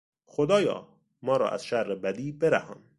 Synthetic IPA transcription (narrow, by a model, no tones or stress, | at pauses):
xod̪ɒːjɒ̰ː | mɒːɾɒ̰ːʔæ̰z̥ʃæɾrebæd̪iːbeɾæhɒ̰ːn